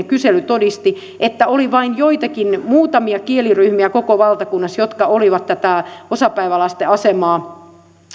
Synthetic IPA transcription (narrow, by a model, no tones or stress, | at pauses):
kyselyt̪odist̪i | ʔet̪ːæoliʋɑinjoit̪ɑkinmuːt̪ɑmiɑkieliryhmiækokoʋɑlt̪ɑkunːɑsjot̪kɑoliʋɑt̪tæt̪æosɑpæiʋælɑst̪eɑsemɑː